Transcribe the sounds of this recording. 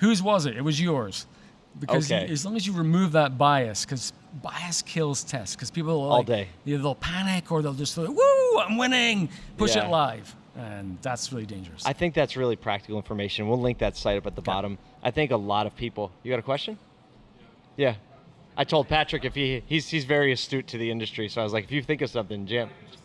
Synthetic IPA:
hʉzwʌzɨtɨt̚wʌzjɔ˞z̥ | b̥ɨkʔoʌzɨzlõŋəzjɨɹɨmʉvðət̚b̥aɪɨskʰʌz | baɪɨskʰɪlˠz̥tʰɛstkʰʌz̥pipl̩ˠɔlˠdeɪəðeɪlˠpʰænɪkʰə˞ðeɪlˠd͡ʒʌswuãɪ̃mwɪ̃nɪ̃ŋpʰʊʃæɨlaɪv̥ | ʔə̃nðætsɹɪlˠidẽɪ̃nd͡ʒə̰˞ɨsaɪθɪ̃ŋk̚ðætsɹɪlˠipʰɹ̥æ̰k̚tɨ̥kl̩ˠɪ̃ɱfə˞meɪʃɨ̃nwilˠlɪ̃ŋk̚ðɨtsaɪɾʌpɨt̪̚ðəbɑ̰ɾə̃m | ʔaɪθɪ̃ŋkəlɔɾʌv̥pʰipl̩ˠjɨɡɑɾɨkʰwɛst͡ʃɨ̃n | jæ | ʔaɪtʰoʊlˠd̚pʰæt͡ʃɹ̥ɨkɨfhiiz̥izvɛɹiɨstʉtʰɨðiɪ̃ndɨstɹ̥isoʊaɪwʌzlaɪkɨfjɨθɪ̃ŋkʌv̥sʌ̃mθɪ̃ŋd͡ʒæ̃m

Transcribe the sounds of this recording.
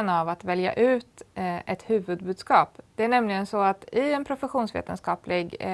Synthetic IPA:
navat̪vɛlja̰ʔʉ̟ːt̪ʔɛt̪hʉ̟ːvɵd̪̚bʉːd̪skɑːpd̪̥ɛæɳɛmlɪɡənsɔat̪ɪɛnpʰɾʊfɛɧuːnsvḛːt̪ənskɑːplɪɡ

